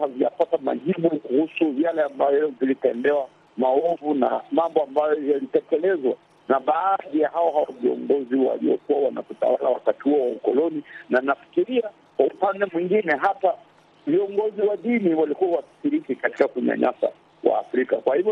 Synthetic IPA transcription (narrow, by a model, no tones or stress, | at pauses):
havija̰patama̰ʄiɓukuhusuvjalɛambajɔvilitɛnbɛwa | maɔvuna̰mambɔambajɔjalitɛkɛlɛzwa̰ | naɓaːðijahaɔhawaviɔ̰ŋɡɔziwa̰lḭɔk̚uwawana̰kuta̰walawakatihuɔwaukɔlɔninanafi̥kiɾia | kwaupandɛmwiŋɡinɛɦapa | viɔŋɡɔziwaɗiniwalikuawasi̥ʃiɾikikati̥kakuɲa̰ɲa̰sa̰ | wa̰ːfɾikakwahivjɔ